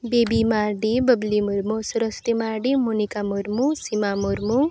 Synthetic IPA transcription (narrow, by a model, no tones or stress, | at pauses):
bebimaːɾɖibəblimuɾmosuɾəst̪imaːɾɖimunikamuɾmusimamuɾmu